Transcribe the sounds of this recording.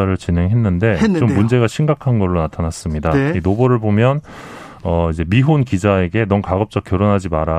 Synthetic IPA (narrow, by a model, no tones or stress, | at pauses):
aɾɯɭt͡ɕinɦe̞ŋɦe̞nːɯnde̞t͡ɕomːund͡ʑe̞ɡaɕʰimɡakʰanɡʌɭːonatʰanas͈ɯmɲidainobʌɾɯɭbomjʌn | ʌid͡ʑe̞miɦonkid͡ʑae̞ɡe̞nʌmkaɡʌp̚t͡ɕ͈ʌk͈jʌɾonɦad͡ʑimaɾa